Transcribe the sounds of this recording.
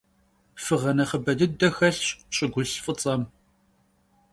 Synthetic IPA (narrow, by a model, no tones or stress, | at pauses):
fɨʁɐnɐχəbɐdɨdɐxɐɬɕɕʼɪɡʷʊɬfʼɨt͡sʼɐm